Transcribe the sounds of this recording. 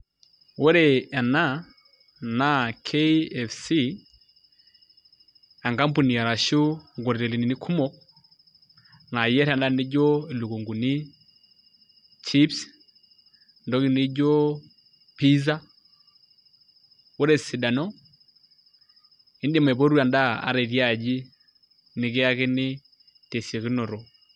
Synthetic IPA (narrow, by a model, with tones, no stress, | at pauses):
wɔ˦ɾɛ˨a˨na˦ | na˦kʰe˦ɛ˨fsi˦ | a˨ŋɡa˦mpu˨ni˨a˨ɾa˨ʃu˦ŋɡɔ˨ɾi˨ɾɛ˨li˨ni˨ni˦kʰu˦mɔ˦k | na˨jɛ˦ɾɛ˨˦nda˦ni˦d͡ʒɔ˦i˨lu˨ɡu˨ŋɡu˨ni˦ | t͡ʃi˦ps | ndɔ˦ki˨ni˦d͡ʒɔ˦ | pi˦za˦ | u˦ɾɛ˨si˨da˨nɔ˦ | i˦ndɛ˦˨m˨ɛ˨βɔ˦ɾu˦a˨nda˦a̰˨ɾɛ˨ɾja˨d͡ʒi˦ | ni˨ke˦a˦ke˦nɪ˦ | tɛ˨si˨ɛ˨ki˦nɔ˨ɾɔ˨